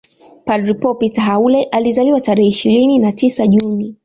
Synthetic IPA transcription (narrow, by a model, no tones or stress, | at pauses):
padɾipɔpitaɦaulɛʔalizaliwataɾɛhɛiʃiɾininatisaʄuni